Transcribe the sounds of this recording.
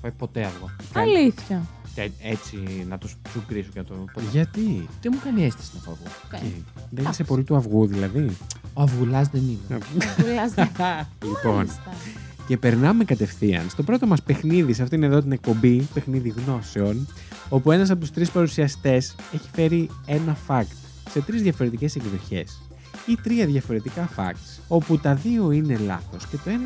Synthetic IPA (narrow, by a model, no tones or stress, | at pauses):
pɐpo̞t̪e̞ɐvɣot̪ɐliθçɐceet͡sinɐt̪ussukɾisocenɐt̪opoʝɐt̪it̪emukɐniest̪i̥sinɐfoɐvu | eðenisepo̞lit̪uɐvɣuðilɐðioɐvɣulɐzðeninelzlipo̞n | ce̞pe̞ɾnɐme̞kɐt̪e̞fθiɐ̰nst̪o̞pɾo̞t̪o̞mɐspe̞xniðisɐft̪oineðo̞t̪̬ine̞k̚po̞mbipe̞xniðiɣno̞se̞o̞n | o̞pue̞nɐs̬ɐpo̞t̪u̥st̪ɾispɐɾusiɐst̪e̞se̞çi̥fe̞ɾie̞nɐfɐkt̪ | se̞t̪ɾizðʝɐfo̞ɾe̞t̪ice̞se̞ɡðo̞çe̞̰s | it̪ɾiɐðʝɐfo̞ɾe̞t̪ikɐfɐ̰kt̪ | o̞put̪ɐðio̞ine̞lɐ̰θo̞sce̞t̪o̞e